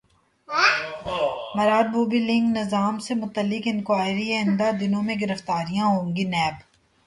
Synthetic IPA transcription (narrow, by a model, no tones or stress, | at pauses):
mɐɾaːd̪̚buːbilɪ̃ŋɡnɪzaːmsemʊt̪əlːɪkɪnkwaːɪɾieɪ̃nd̪ad̪ɪnõmẽɡɪɾəft̪aːɾijãɦõːŋɡinɛːb